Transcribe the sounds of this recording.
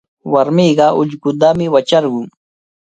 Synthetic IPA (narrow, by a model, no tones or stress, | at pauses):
waɾmiɢɑʔʊ̰ʎɢʊd̪amɪwat͡ʃaɾɢʊŋ